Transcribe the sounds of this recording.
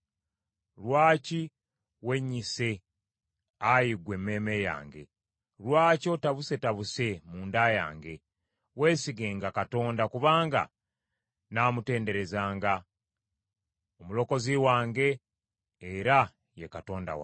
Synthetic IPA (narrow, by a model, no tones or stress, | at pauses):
lwaːci | we̞ɲːise̞ | ajiɡwe̞mːe̞ːmeja̰ːŋɡe̞̰ | lwaːco̞taβuse̞taβuse̞muːndaːja̰ːŋɡe̞ | we̞ːsiɡe̞ːŋɡakato̞ːndakuβaːŋɡa̰ | naːmute̞ːnde̞ɾe̞zaːŋɡa | omulo̞ko̞ziwaːŋɡe̞ː | ɾa | jekato̞ːnda̰wa̰